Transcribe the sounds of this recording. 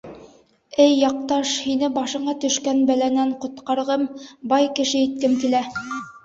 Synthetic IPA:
ɘjːɑq̚t̪ɑʃhinɘbɑʃɤ̆ɴɑt̪ɵ̆ʃkænbælænæɴqŏt̪qɑɾʁɤmbɑjkɘ̆ʃɘit̪̚kɘmkilæ

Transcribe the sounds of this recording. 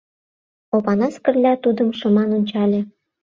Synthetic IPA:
opɑnɑskə̆rlʲɑt̪ud̪ə̆mʃɤ̆mɑnonʲt͡ɕɑlʲĕ

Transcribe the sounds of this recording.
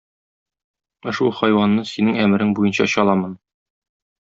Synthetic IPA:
ŏʃulˠχɒjwɑnːɤsinɘŋæmɘ̆ɾɘŋbujɤnɕɑ̰ɕɒlˠɑmɤn

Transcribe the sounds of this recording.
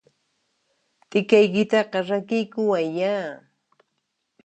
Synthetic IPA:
t̪ʼɪkajkɪt̪ɑqɑɾakɪjkʊwajaː

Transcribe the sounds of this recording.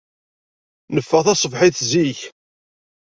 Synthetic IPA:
nəfːəʁθæsˤəvħiθziç

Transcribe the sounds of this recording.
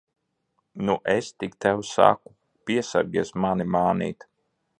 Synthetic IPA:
nuʔɛst̪ikt̪ɛwsa̰ku | piɛsa̰ɾɡʲiɛsmanimaːnḭːt̪

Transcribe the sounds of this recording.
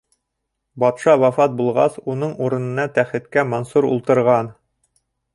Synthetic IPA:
bɒt̪ʃɑwɑfɑt̪̚bulˠʁɑ̰sunɤɴuɾɤ̆nɤ̆nɑt̪æχɘ̆t̪kæmɒnsuɾṵlˠt̪ɤ̆ɾʁɑn

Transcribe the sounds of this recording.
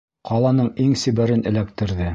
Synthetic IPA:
qɑlˠɑnɤɴiŋsĭbæɾɘnɘ̆læk̚t̪ɘ̆ɾðɘ

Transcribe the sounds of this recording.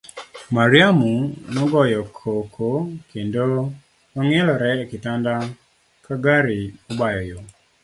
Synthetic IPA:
maɾɪamunɔɡɔjɔkʰokʰokendo | nɔŋɛlɔɾɛkɪtanda | kaɡaɾiobajɔjo

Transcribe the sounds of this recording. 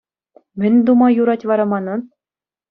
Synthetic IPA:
mʲɘ̆nʲd̪umɑjuɾɑtʲʋɑɾɑmɑnɤ̆

